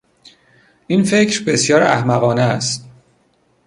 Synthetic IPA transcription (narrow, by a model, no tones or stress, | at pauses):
ʔiːnfe̞cɾbe̞sjɒːɾæ̰hmæɣɒːneæst̪